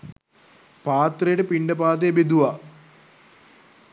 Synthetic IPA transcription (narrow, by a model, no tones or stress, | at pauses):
paːt̪rɐjuɽepiɳɖɐpaːd̪̬eebid̪uʋa